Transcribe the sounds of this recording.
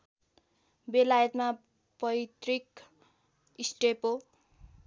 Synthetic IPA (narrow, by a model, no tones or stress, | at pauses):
belajʌt̪ma | pʌjt̪rik | isʈepo